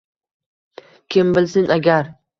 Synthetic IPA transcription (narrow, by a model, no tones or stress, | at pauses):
kʲʰɪmbɪlsɪnʔaɡʲaɾ